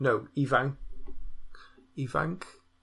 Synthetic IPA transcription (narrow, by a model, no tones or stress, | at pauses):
nowivaŋ | iva̰ŋkʰ